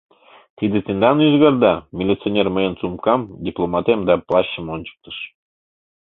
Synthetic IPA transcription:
t̪id̪et̪end̪ɑnyzɣɑrd̪ɑmʲilʲit̪t͡sionʲerməjənt͡sumkɑmdʲiplˠomɑt̪emd̪ɑplˠɑɕːəmonʲt͡ɕə̥k̚t̪ə̥ʃ

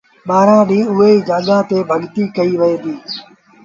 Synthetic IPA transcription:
ɓaːɾãːɗĩːʊɦeːiːd͡ʒaːɠãːt̪eːbʱɐɠt̪iːkɐiːʋɐẽːd̪iː

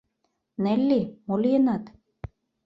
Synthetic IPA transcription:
nelʲːimolʲienɑt̪

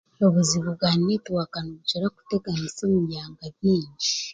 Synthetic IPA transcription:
oβuziβuβɡwaninetuwakanoβut͡ʃoɾaku̥teɡanisoːmujaːŋɡaβiːɲɟi

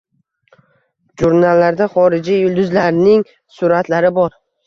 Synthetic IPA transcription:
ʒuɾnalːaɾd̪aχɒɾɪd͡ʒijʊlˠd̪ʊzlaɾnɪŋ | sʊɾat̪ʰlaɾɪbɒɾ

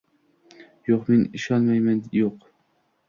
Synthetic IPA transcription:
joqmeniʃɑnmɑjmɛnjoq

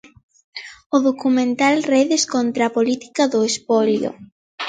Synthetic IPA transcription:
ʊðokumẽnt̪alreðeskont̪ɾapolit̪i̥kaðʊespɔljo̰

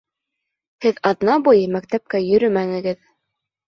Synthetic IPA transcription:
hɘðɑðnɑbujɤmæk̚t̪æp̚kæjɵ̆ɾɵmæŋɘ̆ɡɘð

